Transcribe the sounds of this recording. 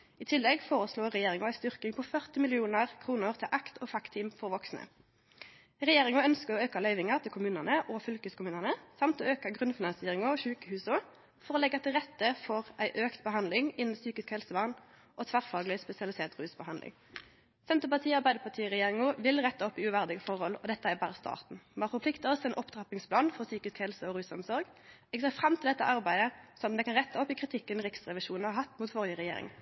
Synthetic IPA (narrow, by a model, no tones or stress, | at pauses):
iːt̪ʰɪlːɛɡfoːʁəsloːʁɛjeːʁɪŋʊæɪst̪ʏʁkɪŋpʰɔfœʁt̪ɪmɪlɪuːnəʁkʰʁuːnəʁt̪ʰɪlʔɑkt̪ʰoːfɑkt̪ʰiːmfɔʁʋɔksnə̰ | ʁɛjeːʁɪŋʊœnskəʁɔːøːkɑlœʏʋɪŋɑʁt̪ʰɪlkʰʊmʉːnənəʔɔfʏlkəskʰʊmʉːnənəsɑmt̪oːøːkɑɡʁʉnfɪnɑnsɪeːʁɪŋɔɔʃʉːkəhʉːsɔ | fɔʁɔːlɛɡɑt̪ɪlʁɛt̪ːəfɔʁæɪʔøːkt̪̚bəhɑnd̪lɪŋɪnn̩syːkɪskhɛlsəʋɑʁn | ʔɔt̪ʰʋæʁfɑːɡlɪspɛsɪɑlɪseːʁt̪ʁʉːsbəhɑnlɪ̰ŋ | sɛnt̪əpɑʁt̪ʰiːɑʁbæɪd̪əpʰɑʁt̪ʰiːʁɛjeːʁɪŋuʋɪlʁɛt̪ːəɔpːɪʉʋæʁd̪ɪɡəfɔʁhɔlɔd̪ɛt̪ːəæbæːʁəst̪ʰɑ̰ːʁt̪n̩mɑːfɔʁpʰlɪkt̪əɔsɛɪnʔɔpːd̪ʁɑpɪŋspʰlɑːnfɔʁsyːkɪskhɛlsəɔɾʉːsɔmsɔɾɡ | ɛɡseːfɾɑmt̪ʰɪld̪ɛt̪ːə̰ʔɑʁbæɪd̪əsɔmd̪ɛkɑnʁɛt̪ːəɔpːɪkʰʁɪt̪ʰɪkːənʁɪksʁɛʋɪʃuːnhɑɾhɑt̪ːmuːt̪fɔʁjəʁɛjḛːʁɪ̰ŋ